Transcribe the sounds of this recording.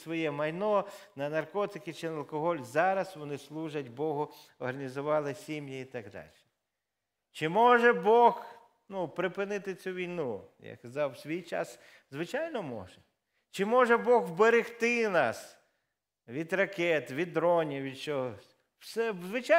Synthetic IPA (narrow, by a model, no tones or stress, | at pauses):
sʋɔjɛmɐjnɔnɐnɐrkɔt̪ɪkɪt͡ʃɪnɐlˠkɔɦɔlʲzɑɾɐsʋɔnɪslˠuʒɐtʲbɔɦʊ | ɔrɦɐnʲizʊʋɑlˠɪsʲimjiit̪ɐɡd̪ɑ̰lʲʃɛ̥ | t͡ʃɪmɔʒɛbɔx | nupɾɪpɪnɪt̪ɪt͡sʲuʋʲijnuja̰kɐzɑwsʲʋʲijt͡ʃɑ̰s | zʋɪt͡ʃɑjnɔmɔ̰ʒɛ | t͡ʃɪmɔʒɛbɔɣwbeɾɪxt̪ɪnɑ̰s | ʋʲid̪rɐkɛt̪ʋʲid̪ɾɔnʲiʋʲid̪t͡ʃɔɦɔ | wsɛzʋɪt͡ʃa